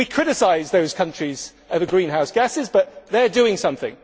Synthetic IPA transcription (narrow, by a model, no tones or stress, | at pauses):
wikʰɹ̥ɪɾɪsaɪzðoʊz̥kʰʌ̃nt͡ʃɹ̥iz̥ | əvəɡɹĩːnɦaʊsɡ̥asɪzbʌʔðədʉːɪ̃ŋsʌ̃mθɪ̰̃ŋ